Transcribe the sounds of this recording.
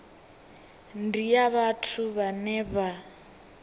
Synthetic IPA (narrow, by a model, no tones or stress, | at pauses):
ndijaβatʰuβanɛβa